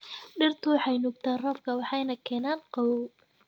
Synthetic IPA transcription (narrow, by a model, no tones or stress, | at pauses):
ɖɪrt̪ʰʊwɑħɑjnʊɡt̪ʰaːrɔfkʰɐwɑħɑjnɐkʰɛːnaːnqɑwɔw